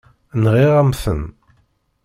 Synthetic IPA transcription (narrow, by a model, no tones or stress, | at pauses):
nʁiʁæmθə̰n